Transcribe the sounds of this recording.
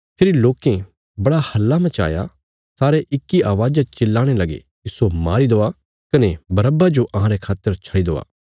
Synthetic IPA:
pʰeːɾiloːkẽ | bɐɽahɐlːamɐ̃t͡ʃa̰ːja̰ | saːɾeʔɪkːiʔaːʋaːd͡ʒat͡ʃɪlːaːɽ̃elɐɡḛ | ɪsoma̰ːɾid̪oːa | kɐnebɐɾəbad͡ʒoʔɐɦãɾekʰaːt̪ːəɾt͡ʃʰɐɽid̪o̰ːa̰ː

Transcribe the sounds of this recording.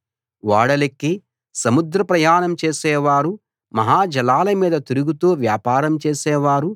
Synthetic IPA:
ʋaːɽɐlɐkːi | sɐmud̪ɾɐpɾɐjaːnɐmt͡ʃeːsɛːʋaːɾu | mɐɦaːd͡ʒɐlaːlɐmiːd̪ɐt̪iɾuɡut̪oːʋjaːpaːɾɐmt͡ʃeːsɛːʋaːɾu

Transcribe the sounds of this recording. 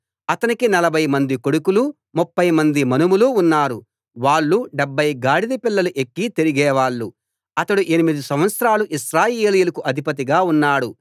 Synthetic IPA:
ɐt̪ɐnikinɐlɐbʱɐjmɐnd̪iko̞ɽukulu | mupːɐjmɐnd̪imɐnumuluːnːaːɾu | ʋaːɭːuɖɛbʱːɐjɡaːɽid̪ipilːɐluʔekːit̪eɾiɡɛːʋaːɭːu | ɐt̪ɐɽuʔe̞nimid̪usɐmʋɐt̪sɾaːluʔiʃɾaːjeːlijulɐkuʔɐd̪ʱipɐt̪̬iɡaːunːaːɽu

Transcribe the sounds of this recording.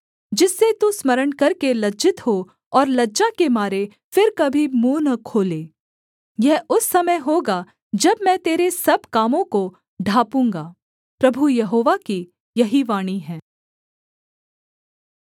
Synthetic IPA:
d͡ʒɪsːet̪usmɐɾəɳkɐɾkelɐd͡ʒɪt̪ɦo | ɔːɾlɐd͡ʒakemaːɾe | fɪɾkɐbʱimuːnɐkʰoːleː | jɛɦʊsːɐməɦoːɡa | d͡ʒɐbmɛ̃t̪eːɾesɐbkaːmõko | ɖʱaːpũːŋɡaː | pɾɐbʱujɐɦoːʋaki | jɐɦiʋaːɽ̃iɦɛ̃ː

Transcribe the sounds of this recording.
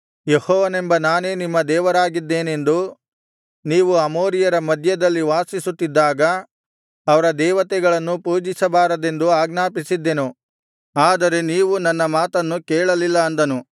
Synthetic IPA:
jehɔːʋɐnembɐnaːne̞ːnimːɐd̪ɛːʋɐɾaːɡid̪ːe̞ːne̞nd̪u | niːʋuɐmoːɾijɐɾɐmɐd̪ʱjɐd̪ɐlːiʋaːsisut̪ːid̪ːaːɡɐː | ʋɐɾɐd̪ɛːʋɐt̪ɛɡɐɭɐnːupuːd͡ʒisɐbaːɾɐd̪e̞nd̪uaːɡnaːpisid̪ːenu | aːd̪ɐɾe̞niːʋunɐnːɐmaːt̪ɐnːukeːɭɐlilːɐːnd̪ɐnu

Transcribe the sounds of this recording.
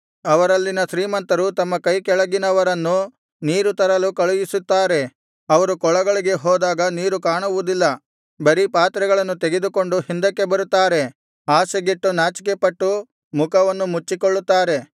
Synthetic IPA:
ɐʋɐɾɐlːinɐʃɾiːmɐnt̪ɐɾut̪ɐmːɐkɐjkɛɭɐɡinɐʋɐɾɐnːu | niːɾut̪ɐɾɐlukɐɭujisut̪ːaːɾe̞ | ɐʋɐɾukɔɭɐɡɐɭiɡe̞ɦɔːd̪aːɡɐniːɾukaːɳuʋud̪ilːɐ | bɐɾipaːt̪ɾɐɡɐɭɐnːut̪eɡed̪uko̞ɳɖuhind̪ɐkːe̞bɐɾut̪ːaːɾe̞ | aːsɐɡiʈːunaːt͡ʃi̥kepɐʈːu | mukʰɐʋɐnːumut͡ʃːikoɭːut̪ːaːɾe̞

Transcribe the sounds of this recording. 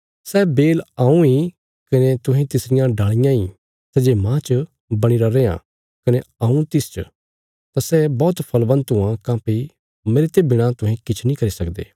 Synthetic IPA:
sɛːbeːlaːũi | kɐnet̪ʊɦẽt̪ɪsɾɪjãɖaːɭ̃ɪjãĩ | sɛd͡ʒeːmãːt͡ʃə | bɐɽ̃iɾaɾeːã̰ | kɐneɐːũt̪ɪst͡ʃə | t̪asɛbɔːt̪pʰɐlbɐ̃nt̪ɦʊ̃ãkãːpi | meːɾet̪ebɪɽ̃at̪ʊ̃ɦẽkɪt͡ʃʰnĩkɐɾisɐkd̪ḛː

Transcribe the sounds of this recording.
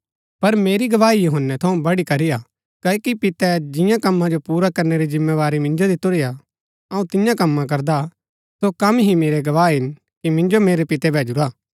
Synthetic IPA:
pɐɾmeːɾiɡɐʋaːijʊɦənːɛt̪ʰɐũbɐɽikɐɾija | kɐːkipɪt̪ɛd͡ʒɪ̃jãkɐmːãd͡ʒopuːɾakɐɾneɾid͡ʒɪ̃mːeʋaːɾimɪ̃nd͡ʒod̪it̪ʊɾɪja | ɐũt̪ɪ̃jãkɐmːãk̬ɐɾd̪a | sokɐmɦimeːɾɛɡɐʋaːɦɪn | kimɪ̃nd͡ʒomeːɾɛpɪt̪ɛbʱɛːd͡ʒʊɾaː

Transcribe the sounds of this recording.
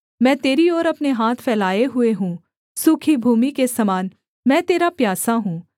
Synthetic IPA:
mɛ̃ːt̪eːɾiɔːɾɐpneɦaːt̪ʰfʰɛːlaːeɦʊeɦũː | suːkʰibʱuːmikesɐmaːn | mɛ̃ːt̪eːɾapjaːsaɦũː

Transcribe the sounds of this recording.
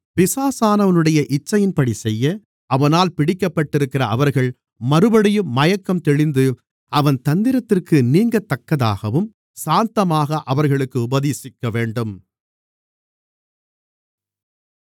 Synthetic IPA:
pɪsaːsaːnɐʋɐnɯɽɐjɐʔɪt͡ʃːɐjɪnpɐɽisɛjːɐ | ʔɐʋɐnaːlpɪɽɪkːɐpːɐʈːɪɾɯkːɪrɐɐʋɐɾɣɐɭ | mɐɾɯbɐɽɪjɯmːɐjɐkːɐmt̪ɛɻɪnd̪ɯ | ɐʋɐnt̪ɐnd̪ɪɾɐt̪ːɪrkɯniːŋɡɐt̪ːɐkːɐða̰ːɣɐʋɯm | saːnt̪ɐmaːɣɐʔɐʋɐɾɣɐɭɯkːɯʊbɐðeːsɪkːɐʋeːɳɖɯm

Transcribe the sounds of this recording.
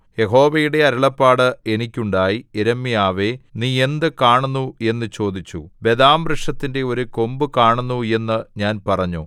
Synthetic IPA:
je̞ɦo̞ːʋɐjuɽe̞ɐɾuɭɐpːaːɽɨenikʲːuɳɖaːjieɾɐmːijaːʋeniːe̞nd̪ɨkaːɳunːue̞nːɨt͡ɕo̞ːd̪it͡ɕːube̞d̪aːmbrɨʂɐt̪ːinde̞o̞ɾuko̞mbɨkaːɳunːue̞nːɨɲaːnpɐrɐɲːu

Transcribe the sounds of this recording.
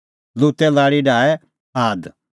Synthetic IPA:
luːt̪ɛlaːɽiɖaːɛ | aːd̪

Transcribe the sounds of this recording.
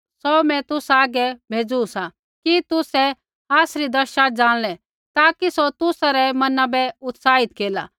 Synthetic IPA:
sɔmɛ̃t̪ʊsaːɡɛbʱeːd͡zuusa | kit̪ʊsɛ | aːsɾid̪ɐʃad͡ʒãːɽ̃lɛ | t̪aːkisot̪ʊsaɾɛmɐnabɛʊt̪saːɦɪt̪keːla̰ː

